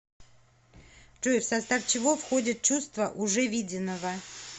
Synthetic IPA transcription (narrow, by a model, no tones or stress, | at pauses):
t͡ʂofsɐst̪aft͡ɕɪvo̞fxo̞dʲɪt̪̚t͡ɕust̪vəʔʊʐɛvʲidʲɪnːəvə